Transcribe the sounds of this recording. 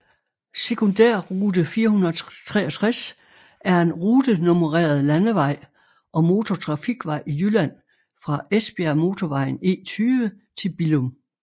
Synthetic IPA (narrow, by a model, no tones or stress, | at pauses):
se̝kʰo̝nd̥æɐ̰ʁuːd̥əfiːɐhunˠɐt͡sʰʁɛ̰ːɒt͡sʰʁas | æɐe̝nʁuːd̥əno̝məʁɛ̰ːɐð̩ˠlænəʋɑ̈ɪ̰ | ʔɒ̽mo̝t͡sʰo̝t͡sʰʁɑ̈fiɡ̥ʋɑ̈ɪ̰ijylæn̰ | fʁɑ̈ʔesb̥e̝æɐmo̝t͡sʰɒʋɑ̈ɪ̰n̩e̝̰ːt͡sʰyːʋə | t͡sʰe̝lb̥ilɔm